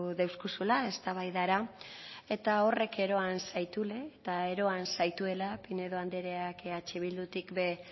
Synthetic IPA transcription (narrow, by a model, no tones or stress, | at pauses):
ðewskusulae̞st̪aβ̞ajðaɾa | e̞t̪ao̞re̞kʰe̞ɾo̞ansajt̪ule̞ːt̪ae̞ɾo̞ansajt̪ue̞lapine̞ðo̞and̪eɾeakat͡ʃeβ̞ild̪ut̪ikbe̞